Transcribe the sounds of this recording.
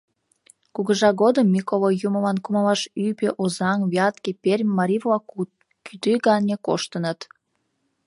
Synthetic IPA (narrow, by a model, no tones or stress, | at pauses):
kuɣəʒɑɣod̪əmːikolojuməlɑnkuməlɑʃypeʔozɑŋβjɑt̪kepʲerʲmʲːɑɾʲivlɑku | kyt̪yɣɑnʲeko̰ʃt̪ənət̪